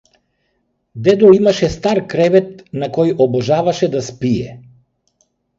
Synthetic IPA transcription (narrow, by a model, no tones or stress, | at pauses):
d̪ɛd̪ɔimaʃɛst̪aɾkɾɛvɛt̪̚nakɔjɔbɔʒavaʃɛd̪aspijɛ